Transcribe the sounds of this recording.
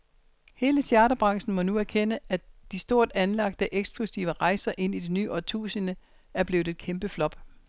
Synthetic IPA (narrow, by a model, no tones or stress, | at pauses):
he̝ːləsjæɐɾɐb̥ʁɑ̈ŋsn̩mɒ̽nuæɐkʰenəæd̥isd̥o̝ɐ̰d̥ænlɑ̈ɡ̥̚d̥əʔeɡ̥sb̥lusiʊəʁɑ̈ɪsɐʔe̝n̰id̥e̝nyːʔɒt͡sʰṵːsənə | æɐb̥le̝ːʊð̩ˠe̝d̥̚kʰemb̥əflɒ̽b̥